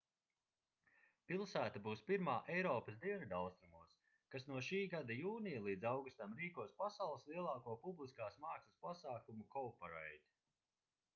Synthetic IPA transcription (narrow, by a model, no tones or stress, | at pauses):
pilˠsæːt̪abuːspiɾmaːʔɛjɾɔːpɐsd̪iɛnad̪alˠst̪ɾumuɔs | kasnuɔʃiːɡad̪ajuːnijalˠiːd̪zawɡust̪amɾiːkuɔspasawlˠslˠiɛlˠɑːkuɔpublˠiskaːsmaːksɨspasaːkumukɔːpɔɾɛjd̪ʲ